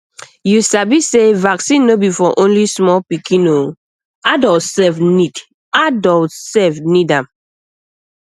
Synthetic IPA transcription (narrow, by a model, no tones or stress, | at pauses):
jusabisevaksĩnːobifɔʔõnlismɔpikĩno | adɔltsɛfnid | adɔltsɛfnidãm